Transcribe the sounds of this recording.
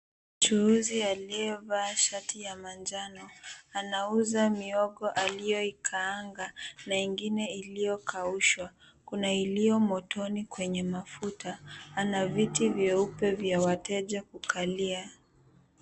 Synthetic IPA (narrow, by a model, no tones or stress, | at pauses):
t͡ʃuuzialiɛvaːʃatijamand͡ʒanɔanauzamiɔɠɔʔalijɔikʰaːŋɡanaiŋɡinɛilijɔkʰauʃwa | kunailijɔmɔtʰɔnikwɛɲɛmafutaːnavitivjɛupɛvjawatɛʄakukʰalia